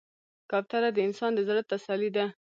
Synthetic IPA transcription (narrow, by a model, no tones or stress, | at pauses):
kɑp̚t̪aɾad̪əɪnsɑnd̪əzɾət̪ːasalid̪a